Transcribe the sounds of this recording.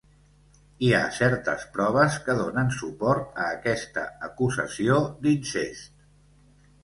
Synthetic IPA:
ia̰sɛɾt̪ə̰spɾɔβ̞əskəðonənsupɔɾt̪əːkɛst̪ə̰ːkuzə̰siod̪insest̪̚

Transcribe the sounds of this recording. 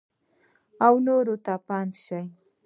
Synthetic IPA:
awnoɾʊt̪apant̪ʃaj

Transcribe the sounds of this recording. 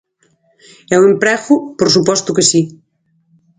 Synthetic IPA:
ɛwempɾɛxupoɾsupɔst̪ukɐsi

